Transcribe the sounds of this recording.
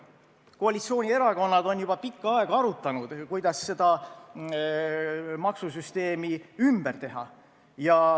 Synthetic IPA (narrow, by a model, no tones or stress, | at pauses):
ko̞ɑlit̪sio̞ːnʲie̞ɾɑko̞nːɑd̪̥o̞njubɑpikːɑɑeɡ̥ɑɑɾut̪ːˑɑnud̪̥kujd̪̥ɑsːe̞d̪̥ɑ | mɑksus̬yst̪e̞ːmiymb̥ert̪e̞ɦɑ̰ | jɑ